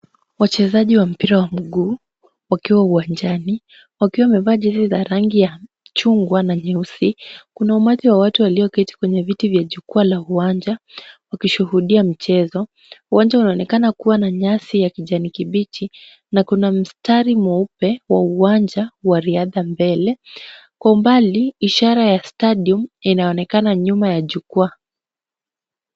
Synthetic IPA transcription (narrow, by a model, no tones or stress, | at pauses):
wat͡ʃɛzaʄiwam̩piɾawam̩ɠuː | wakiwauwand͡ʒani | wakiwamɛvaːʄɛsizaɾaŋɡija | t͡ʃuŋɡwanaɲɛusikunaumatiwawatuwaliɔkɛti̥kwɛɲɛvitivjaʄukualauwaɲd͡ʒawakiʃuhuɗiam̩t͡ʃɛzɔ | uwaɲd͡ʒaunaɔnɛkanakuwanaɲasijakiʄanikiɓit͡ʃi | nakunam̩staɾimɔupɛwauwaɲd͡ʒawaɾiaðambɛlɛ | kwaumbaliiʃaɾajastaɗiɔminaɔnɛkanaɲumajaʄukua